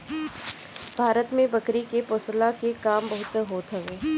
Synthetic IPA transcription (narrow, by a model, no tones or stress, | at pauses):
bʱaːɾət̪mẽbɐkɾikepoːslakekaːmbəɦʊt̪ɦoːt̪ɦɐʋeː